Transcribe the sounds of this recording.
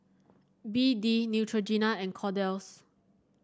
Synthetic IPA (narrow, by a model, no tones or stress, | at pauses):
bidinjutʰɹod͡ʒinaɛ̃nkʰɔdɛls